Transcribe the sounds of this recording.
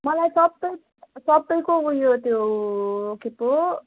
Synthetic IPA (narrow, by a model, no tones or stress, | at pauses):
mʌlajsʌbpʌj | sʌbːʌjkoɦujot̪jo | kipo